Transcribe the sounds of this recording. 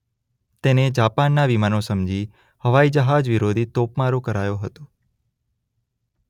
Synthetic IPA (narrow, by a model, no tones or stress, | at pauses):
t̪ened͡ʒapanːaʋimanosəmd͡ʒi | həʋaid͡ʒəɦad͡ʒʋiɾod̪ʱit̪opmaɾokəɾajoɦət̪o̥